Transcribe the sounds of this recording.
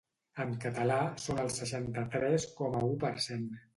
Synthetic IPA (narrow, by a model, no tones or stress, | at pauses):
əmkət̪əlasonəlˠsəʃant̪ət̪ɾɛskɔməupəɾsen